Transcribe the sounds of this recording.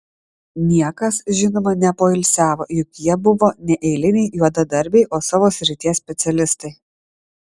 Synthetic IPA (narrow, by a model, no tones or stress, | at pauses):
nʲiɛkɐsʒʲɪnoːmɐnʲɛpoːɪlʲsʲæːʋoːjʊkjiɛbʊʋoːnʲɛʔɛɪlʲɪnʲɛɪjuɔd̪ɐd̪ɐɾʲbʲɛɪʔoːsɑːʋoːsʲɾʲɪt̪ʲiɛsʲpʲɛt̪sʲɛlʲɪst̪ɐɪ